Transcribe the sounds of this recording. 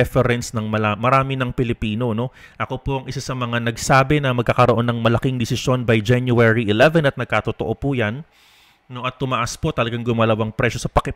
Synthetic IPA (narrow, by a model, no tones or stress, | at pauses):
ɛfɛɾɛnsnɐŋmɐamɐɾaːmɪnɐŋpɪlɪpiːno̞no̞ | ʔɐko̞poʔɐŋʔɪsasɐmɐŋanɐɡsaːbɛnɐmɐɡ̚kakɐɾo̞ʔo̞nːɐŋmɐlɐkiŋd̪ɪsɪsjo̞nbɐjd͡ʒɛnjuɛɹiʔɪlɛvɛnɐt̪nɐɡ̚kat̪ot̪oʔo̞pujɐnː | o̞ʔɐt̪ːʊmɐʔaspo̞t̪ɐlɐɡaŋɡʊmaːlɐwaŋpɾɛʃo̞sɐpɐkɪ